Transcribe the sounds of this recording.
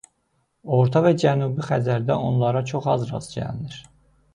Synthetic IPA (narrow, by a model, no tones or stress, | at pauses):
o̞ɾt̪ʰɑvæd͡ʒænuːbixæzæɾd̪æʔo̞nlˠɑɾɑt͡ʃʰo̞χɑzɾɑ̰zd͡ʒæ̰lniɾ